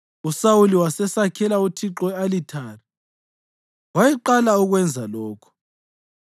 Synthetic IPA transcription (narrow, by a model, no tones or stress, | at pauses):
usawuliwasɛsakʰɛlautʰiǁɔalitʰaːri | wajɛǃalauɣwɛnd͡zʱalɔːkʰɔ̥